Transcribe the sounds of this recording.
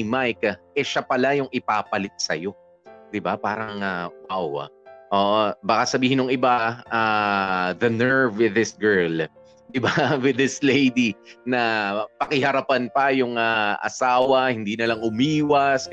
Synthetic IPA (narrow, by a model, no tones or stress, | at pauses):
majkʔɛʃapɐlajʊŋɪpaːpɐlɪt̪̚sɐ̰jo̞ | d̪̥ɪbapa̰ːɾɐŋɐmaw̰ʔoːʔobɐkasɐbiːhɪnʊŋɪbaʔa | ðɐnɛɹvwɪðɪsɡɛɹl | d̪ɪbawɪðɪslejd̪inɐpɐkɪɦɐɾɐpanpɐjʊŋaʔɐ̰saːwɐhɪnd̪iːnɐlɐŋʊmiːwɐs